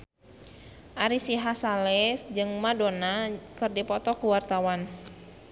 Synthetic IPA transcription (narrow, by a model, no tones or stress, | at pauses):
ʔaɾisiɦasalɛsd͡ʒɨŋmadonakɨrdipɔt̪ɔkuwart̪awan